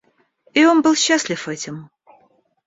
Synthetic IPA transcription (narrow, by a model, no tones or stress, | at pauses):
io̞nbɨlˠɕːaslʲɪfɛtʲɪm